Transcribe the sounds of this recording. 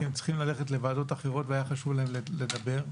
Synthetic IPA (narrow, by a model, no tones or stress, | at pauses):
emt͡si̥χimlaleχe̞tle̞vaːdo̞taχeʁo̞t̪veajaχaʃuvlaɦemlele̞d̪abe̞ʁ